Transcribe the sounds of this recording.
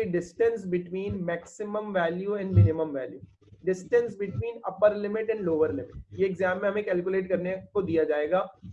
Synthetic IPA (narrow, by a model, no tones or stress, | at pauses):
eɖɪsʈə̃ns̬bɪʈʋiːnmɛːksɪmə̃mʋɛːljuɛ̃ɳɖmɪnɪmə̃mʋɛːljṵː | ɖɪsʈə̃nsbɪʈʋiːnɐpəɾlɪmɪʈɛ̃ɳɖloːʋəɾlɪmɪʈjeːɡzãːmːẽɦɐ̃mẽkɛːlkjʊleːʈ̚kɐɾnekod̪ijad͡ʒaːeːɡaː